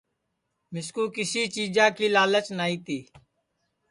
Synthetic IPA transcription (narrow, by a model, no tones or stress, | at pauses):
mɪskuːkɪsiːt͡ʃiːd͡ʒãːkiːlaːlət͡ʃnaːiːt̪iː